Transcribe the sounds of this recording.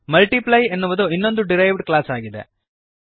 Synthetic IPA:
mɐlʈiplɐjenːuʋɐd̪uinːo̞nd̪uɖiɾɐjʋɖklaːsaːɡid̪ḛ

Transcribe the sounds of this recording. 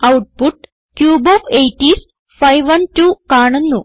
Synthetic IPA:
ɐwʈ̚puʈ | kjuːboːfejʈːis | fɐjʋɐnʈukaːɳunːu

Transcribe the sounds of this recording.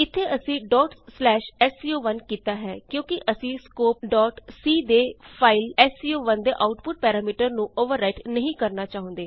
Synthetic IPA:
ɪt̪ʰːeːəsĩːɖɔːʈːlɛːʃɛːsiːoːʋənkiːt̪aːɦɛ̰ːkjõːkɪʔəsĩːskoːp̚ɖɔːʈsiːd̪eːpʰaːɪlɛːsiːoːʋənd̪ḛːʔaːʊʈpʊʈ̚pɛːɾaːmiːʈəɾnũːʔoːʋəɾːaːɪʈnəɦĩːkəɾnaːt͡ʃaːɦõnd̪eː

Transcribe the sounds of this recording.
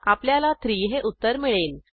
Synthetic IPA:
apljalat̪ʰɾiːɦeʔut̪ːəɾmiɭeːn

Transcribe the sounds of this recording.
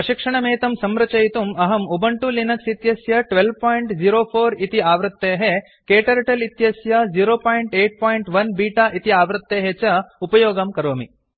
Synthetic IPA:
pɾɐʃikʂɐɳɐmeːt̪ɐmsɐmɾɐt͡ʃɐjt̪umɐɦɐmubɐɳʈulinɐksit̪jɐsjɐʈʋelʋpaːjiɳʈd͡ʒiːɾoːpʰoːɾit̪iaːʋɾɐt̪ːeːɦe | keːʈɐɾɐʈɐlit̪jɐsjɐd͡ʒiːɾoːpaːjiɳʈeːʈ̚paːjiɳʈʋɐnbiːʈaːʔit̪iaːʋɾɐt̪ːeːɦet͡ʃɐupɐjoːɡɐmkɐɾoːmi

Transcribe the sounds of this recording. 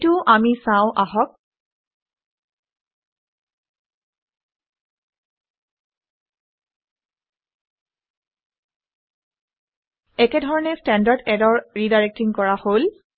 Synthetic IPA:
tʊʔamisãʊ̃ʔaɦɔk̚ | ɛkɛdʱɔɹɔnɛstɛndaɹdɛdɔɹɹidaɹek̚tiŋkɔɹahol

